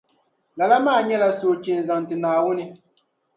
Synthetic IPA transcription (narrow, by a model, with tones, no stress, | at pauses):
la˨la˦maː˦˨ɲɛ˦la˨soː˨t͡ʃe˨n˨za˨ŋ˨tɨ˨naː˨wʊ˦nɪ˦